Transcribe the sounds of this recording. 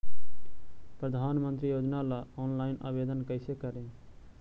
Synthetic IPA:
pɾəd̪ʱanmənt̪ɾijod͡ʒnalaɔnlaɪnə̰bed̪ənkəɪsekəɾe

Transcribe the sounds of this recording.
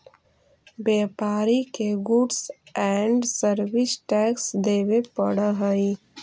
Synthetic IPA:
beːpaːɾikeɡuʈsɛɳɖsəɾʋɪsʈɛːksd̪eːwepəɽəɦəi

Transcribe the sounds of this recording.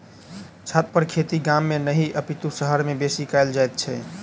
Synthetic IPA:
t͡ʃʰat̪̚pəɾkʰet̪iɡamːenəɦiʔəpit̪usəɦəɾmebesikaɪld͡ʒajt̪̚t͡ʃʰɛ

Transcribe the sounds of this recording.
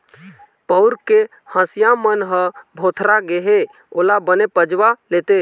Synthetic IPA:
pəʊɾke | hə̃sjamənɦə̃bʱot̪ʰɾaɡeɦe | oːlabənepəd͡ʒwalet̪e

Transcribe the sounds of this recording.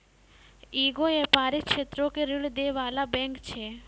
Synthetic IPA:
iɡoepaɾiʃʰet̪ɾokeɾiɭd̪eʋalabɛ̃ŋkt͡ʃʰe

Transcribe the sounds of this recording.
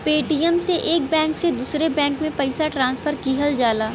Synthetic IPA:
peːʈiːjəmseʔeːk̚bɛ̃ːŋksed̪uːsɾebɛ̃ːŋkmẽpɐɪsaʈɾãːnsfʰəɾkiːɦəld͡ʒaːlaː

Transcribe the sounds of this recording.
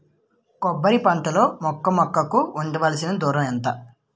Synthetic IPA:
kɔbːɐɾipɐnt̪ɐlo̞ːmɔkːɐmɔkːɐkuːnd̪ɐʋɐːlɐsinɐd̪uːɾɐmɛnt̪ɐ

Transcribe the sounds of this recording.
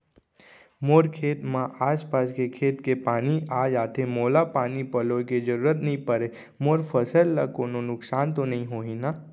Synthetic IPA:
moːɾkʰeːt̪mãʔaːspaskekʰeːt̪kepaːniʔad͡ʒaːt̪ʰemoːlapaːnipəloked͡ʒəɾuːɾət̪nəɦĩpəɾe | moːɾpʰəsəlːakoːnonʊksaːnt̪onəɦĩɦoːɦina

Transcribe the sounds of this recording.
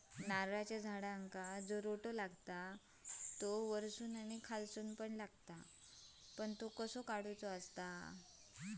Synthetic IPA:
naɾat͡ɕjad͡zʱaɽaəŋkad͡zoɾoʈolaɡt̪a | t̪oʋəɾsuːnaɽ̃ikʰalsuːnpəɳlaɡt̪a | pəɳt̪okəsokaɽut͡soəst̪a

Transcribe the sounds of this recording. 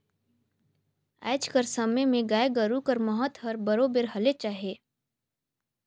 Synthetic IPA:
ɛ̰ːt͡ʃkəɾsəmemẽɡaːeɡəɾukəɾməɦət̪ɦəɾbəɾoːbeɾɦɐlet͡ʃaːɦeː

